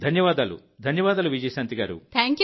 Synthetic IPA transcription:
d̪ʱɐnjɐʋaːd̪aːlṵ | d̪ʱɐnjɐʋaːd̪aːluʋid͡ʒɐjsɐnt̪iɡaːɾṵt̪ʰaŋkj

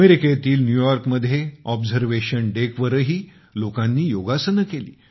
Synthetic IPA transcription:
əmeɾiket̪iːlnjujɔɾkməd̪ʱːjeɔbzəɾʋeɕənɖekʋəɾəɦiː | lokãnːiːjoɡasənəkelḭː

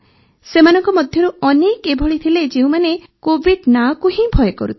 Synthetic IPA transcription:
semanɔŋkɔmɔd̪ʱjɔɾuɔnekebʱɔɭit̪ʰiled͡ʒeũmane | kobʱiɖnakuɦĩbʱɔjɔkɔ̰ɾut̪ʰi

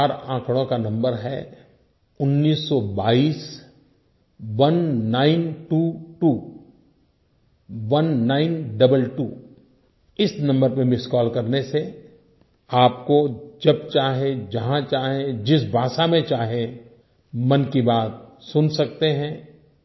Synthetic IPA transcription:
aɾãːkɽ̃õkanɐ̃mbəɾɦɛ | ʊnːiːsːɔbaːiːs | ʋɐnːaːɪnʈuːʈuː | ʋɐnːaːɪnɖɐbəlʈṵː | ɪsnɐ̃mbəɾpẽmɪskɔːlkɐɾnese | aːp̚kod͡ʒɐb̚t͡ʃaːɦẽd͡ʒɐɦãt͡ʃaːɦẽd͡ʒɪsbʱaːʃamẽt͡ʃaːɦẽ | mɐnkibaːt̪̚sʊnsɐk̚t̪eɦɛ̃ː

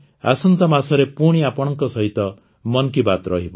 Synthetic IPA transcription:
a̰sɔnt̪ɔmasɔɾepuɽ̃iapɔɽ̃ɔŋkɔsɔɦit̪ɔ | mɔnkibat̪ɾɔɦibɔ

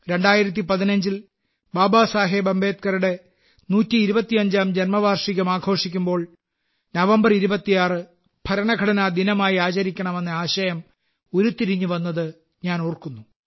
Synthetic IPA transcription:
ɾe̞ɳɖaːjiɾɐt̪̬ːipɐðinɐɲd͡ʑil | baːbaːsaːɦeːbɐmbeːt̪̚kɐɾuɽe̞ | nuːtːiːɾubɐt̪ːijɐɲd͡ʑaːmd͡ʑɐnmɐbʱaːrʂiɣɐmaːɡʰʱo̞ːʂikʲːumbo̞ːɭ | nɐʋɐmbɐriɾubɐt̪ːijaːrɨ | b̥ʰʱɐɾɐɳɐɡʱɐɽɐnad̪inɐmaːjiaːt͡ɕɐɾikʲːɐɳɐme̞nːɐaːɕɐjɐm | o̞ɾut̪ːiɾiɲːuʋɐnːɐðɨ | ɲaːnoːrkunːu

